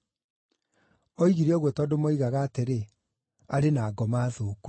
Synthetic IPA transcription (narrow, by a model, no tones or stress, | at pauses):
ɔiɣiɾeɔɣwɔtɔdomoiɣaɣaːteɾe | aɾenaːɡɔmaðoːk